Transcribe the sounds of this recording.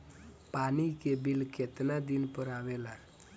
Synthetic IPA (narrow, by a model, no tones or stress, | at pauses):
panikebilket̪nad̪inpəɾaʋela